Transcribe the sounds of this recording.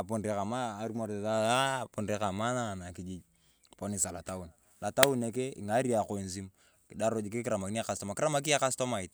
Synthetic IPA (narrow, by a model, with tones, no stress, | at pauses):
a˨pu˨nre˨ka˨maː˦˨ɾu˦mo˨ɾta˦a˦˨pu˦nde˦ka˨ma˦na˨na˨ki˨d͡ʒi˦d͡ʒ | po˦ni˨sa˨la˨ta˦u˨n | la˨ta˦wu˦ne˨ke˦ḭ˨ŋa˦ɾi˦a˨ko˨nsi˦m | ki˨da˦ɾo˦d͡ʒi˨ki˦ki˦ɾa˨ma˨ki˦a˦˨ka˨sto˦ma˨ki˦ɾa˦ma˦k̬i˦a˦ka˦sto˦ma˨i˨t